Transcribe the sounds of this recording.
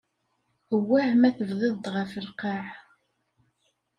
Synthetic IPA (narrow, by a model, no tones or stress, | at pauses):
əwːæʕmæθəvðˤɪðˤt̪ʁəfəlqɑʕ